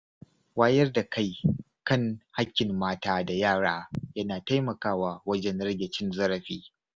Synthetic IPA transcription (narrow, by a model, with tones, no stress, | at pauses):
waː˦jɐ˦rda˨ka˦j | kɐ˦ŋha˦kʲːɪ˨mːaː˦taː˦da˨jaː˦˨ɽaː˦jɐ˦naː˨ta˦jmɐ˨kaː˦waː˦wɐ˦d͡ʒɛ˦nɽɐ˦ɡʲɛ˨t͡ʃɪ˦nzɐ˦ɾɐ˨ɸiː˦